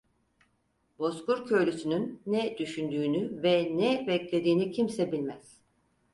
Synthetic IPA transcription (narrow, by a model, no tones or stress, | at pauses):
bo̞skuɾcʰø̞lʲysynynːɛd̪̥yʃynd̪yːnyvɛnɛbɛclʲe̞d̪iːnicʰimsɛbilʲmæz̥